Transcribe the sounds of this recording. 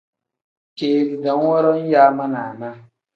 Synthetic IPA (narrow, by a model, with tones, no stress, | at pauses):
keː˨li˨da˨˦ŋ˦wɔ˦ɾɔ˦n˦jaː˦ma˦na̰˨na˦